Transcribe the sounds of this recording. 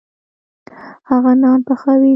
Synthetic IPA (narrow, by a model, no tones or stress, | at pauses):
haɣɑnɑnpəxawi